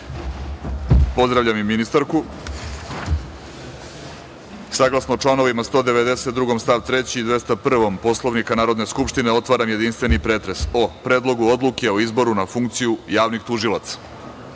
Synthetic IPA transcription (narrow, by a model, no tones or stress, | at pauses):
po̞zd̪ɾaʋʎamiminist̪aɾku | saɡlˠasnoːʈ͡ʂlˠano̞ʋimast̪o̞ːd̪eʋe̞d̪e̞set̪̚d̪ɾuɡo̞mst̪aʋt̪ɾe̞t͡ɕiːd̪ʋe̞st̪apr̩ʋo̞mpo̞slˠoʋnikanaːɾo̞d̪ne̞skupʃt̪ineo̞t̪ʋaːɾamjed̪inst̪vʋe̞nipɾe̞ːt̪ɾe̞so̞pɾeːd̪lˠo̞ɡuo̞d̪lˠukeo̞izbo̞ɾunafuŋkt̪sijujaːʋnixt̪uʒilat̪sḁ